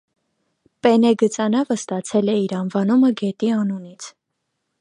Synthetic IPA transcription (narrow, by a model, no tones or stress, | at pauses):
pɛnɛɡət͡sɑnɑvəst̪ɑt͡sʰɛlɛiɾɑnvɑnuməɡɛt̪iɑnunit͡sʰ